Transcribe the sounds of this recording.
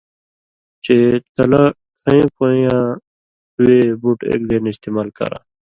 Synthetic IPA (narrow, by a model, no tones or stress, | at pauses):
t͡ɕet̪ɐla | kʰɐẽpoːjã | uwebuʈḛːkd̪enist̪eːmaːlkɐ̰ɾã̰ː